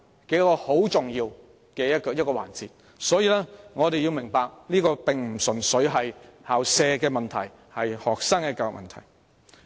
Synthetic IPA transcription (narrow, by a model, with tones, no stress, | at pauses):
ke˨˥jkɔː˧ho˨˥wt͡sʊ˨ŋjiː˧w | kɛː˧jɐ˥t̚kɔː˧jɐ˥t̚kɔː˧wa̰ː˨˩nt͡siː˨˧t̚ | sɔː˨˥jiː˧lɛː˥ŋɔː˨˧ɾe˨ji˧wmɪ˨˩ŋpaː˧k̚niː˥kɔː˧pɪ˨ŋm̩˨˩sɵ˨˩nsɵ˨˥ɥɦɐ˨jhaː˨wsɛː˧kɛː˧mɐ˨nt̪ʰɐ˨˩j | hɐ˨jhɔː˨k̚saː˥ŋkɛ˧˥kːaː˧˨mɐ̰˨nt̪ʰɐ̰˨˩j